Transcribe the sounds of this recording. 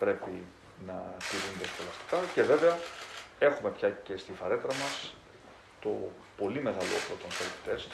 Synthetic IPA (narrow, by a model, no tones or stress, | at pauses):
pɾe̞pi | nɐt̪iɾunðisfolɐst̪i̥kɐce̞ve̞veɐe̞xume̞pçɐce̞st̪ifɐɾe̞t̪ɾɐmɐs | t̪o̞ | po̞lime̞ɣɐlopɾot̪onsoɾt̪i̥t̪e̞s